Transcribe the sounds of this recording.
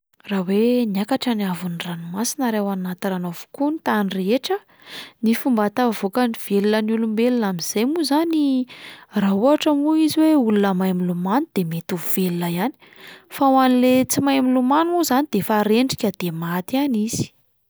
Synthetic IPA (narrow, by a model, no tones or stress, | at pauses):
raweniakaʈ͡ʂənavuniranumasinaɾewanat̪iranovu̥kunit̪anireeʈ͡ʂə | nifumbat̪avokaniv̥elulənulumbelunamiz̥ejmuzani | rauaʈ͡ʂamuiziweulunəmajmilumanud̪̥emet̪uvv̥elinəjani̥ | fawanilet͡simajmilumanuzanid̪̥efaɾeɳɖ͡ʐikʲad̪̥emat̪ianiz̥i̥